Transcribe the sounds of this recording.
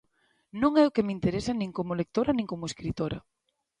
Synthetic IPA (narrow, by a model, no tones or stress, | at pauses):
nõŋɛʊkemint̪eɾesɐnĩŋkomʊlek̚t̪oɾɐnĩŋkomʊeskɾit̪oɾɐ̰